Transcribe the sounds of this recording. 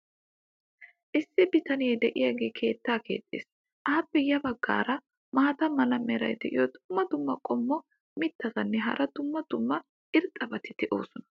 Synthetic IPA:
ʔɪsːɪbɪt̪ɐnɪjɛd̪ɛʔɪjaɡe̞ːkʰe̞ːt̪ːaːke̞̰ːt̪ʼːḛːs | ʔaːpːɛjɐbɐɡːa̰ːɾɐ | maːt̪ɐmɐlɐmɛɾɐ̰jd̪ɛʔɪjod̪ʊmːɐd̪ʊmːɐkʼɔmːɔ | mɪt̪ːɐzɐnːɛɦɐ̰ɾʔɐd̪ʊmːɐd̪̥ʊmːɐ | ʔɪɾt̪ʼːɐbɐt̪ɪd̪̥ɛʔo̞̰ːsɔnɐ̥

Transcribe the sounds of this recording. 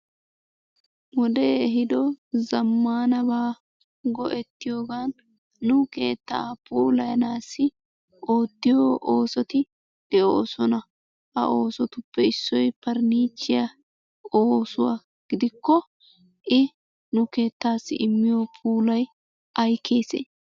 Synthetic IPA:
wɔd̪eɛɦɪd̪ɔzɐmːaːnɐbaː | ɡɔʔɛt̪ːɪjo̞ːɡaːnː | ʊke̞ːt̪ːɐapuːlɐjɐnaːsːɪ | oːt̪ːɪjoːʔoːsɔt̪ɪ | d̪̥ɛʔoːsɔnɐ | ʔɐ̰ʔo̞ːsɔt̪ʊpːɛɪsːɔjpɐɾniːt͡ʃːɪjɐ | oːsʊwa̰ː | ɡ̥ɪd̪ɪkːɔ | ʔɪ | nʊke̞ːt̪ːaːsːɪ̰ʔɪmːɪjopʰuːlɐj | ɐjkʰːe̞ːsḛː

